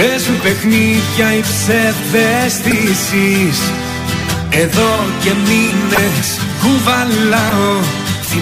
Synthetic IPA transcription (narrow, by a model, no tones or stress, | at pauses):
pesup̪e̞xniʝɐipseðest̪isis | e̞ðo̞ce̞mines | kuvɐlɐo